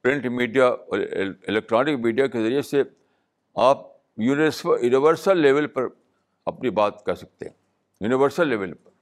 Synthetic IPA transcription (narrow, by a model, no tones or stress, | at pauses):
pɾɪ̃ɳʈmiːɖija | ɪlɛk̚ʈɾaːnɪkmiːɖijakezɐɾiese | aːp̚ | juːnɪʋəɾsjuːnɪʋəɾsəlːeːʋəlpɐɾ | ɐpnibaːt̪kɐɾsɐk̚t̪ḛɦɛ̃ | juːnɪʋəɾsəlːeːʋəlpɐɾ